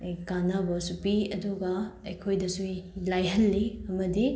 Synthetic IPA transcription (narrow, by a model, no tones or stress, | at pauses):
ejkanabɐsupiɐduɡɐɐjkʰojdɐsulajɦɐlːiɐmɐdi